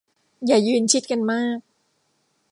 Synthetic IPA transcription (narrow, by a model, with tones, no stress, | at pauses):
jaː˨˩jɯː˧nt͡ɕʰi˦˥t̪̚ka˧nmaː˥˩k̚